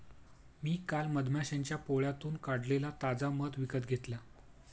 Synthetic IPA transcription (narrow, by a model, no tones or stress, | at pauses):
miːkalməd̪ʱmjaɕãɲt͡ɕjapoɭjat̪uːnkaɽlelat̪ad͡zamət̪ʋikət̪ɡʱet̪la